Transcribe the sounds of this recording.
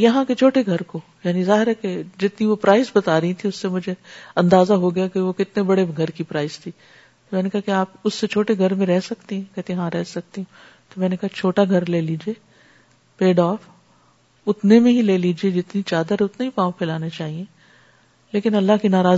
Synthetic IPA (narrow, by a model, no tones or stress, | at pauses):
jɐɦãket͡ʃʰoːʈeɡʱɐɾkojaːnizaːɦɪɾɦɛked͡ʒɪt̪niʋopɾaːɪzbɐt̪aːɾɐɦit̪ʰiʊsːemʊd͡ʒʱeɐ̃nd̪aːzaɦoɡɐjakeʋokɪt̪nebɐɽeɡʱɐɾkipɾaːɪzt̪ʰiː | t̪omɛ̃ːnekɐɦakeaːpʊsːet͡ʃʰoːʈeɡʱɐɾmẽɾɛɦsɐkt̪eɦɛ̃kɛt̪eɦãɾɛɦsɐk̚t̪eɦũː | t̪omɛ̃ːnekaɦat͡ʃʰoːʈaɡʱɐɾleːliːd͡ʒieː | peːɖɔːf | ʊt̪nemẽɦileːliːd͡ʒied͡ʒɪt̪nit͡ʃaːd̪əɾʊt̪neɦipãːwpʰɛːlaːnet͡ʃaːɦiẽ | leːkɪnɐlːaɦkinaːɾaː